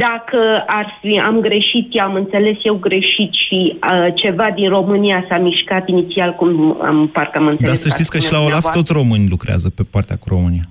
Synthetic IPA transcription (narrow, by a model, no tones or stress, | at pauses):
d̪akəarfia̰mɡɾe̞ʃit̪jamɨnt̪se̞le̞sje̞wɡɾe̞ʃit̪ʃit͡ʃe̞vad̪inro̞mɨnijasamiʃkat̪init̪sialkuma̰mparkəamɨnd̪eaesəʃttitsʲkəʃilaolaft̪o̞t̪sʲro̞mɨnʲlukɾea̰zəpe̞poart̪ea̰kuɾo̞mɨnia